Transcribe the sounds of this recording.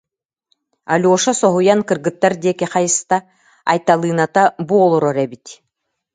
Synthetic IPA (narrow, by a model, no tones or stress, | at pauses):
a̰lʲuɔʃɔsɔɦujankɯɾɡɯt̪ːaɾd̪iɛkɛχajɯst̪a | a̰jt̪alˠɯːnat̪abuɔlˠɔɾɔɾɛbit̪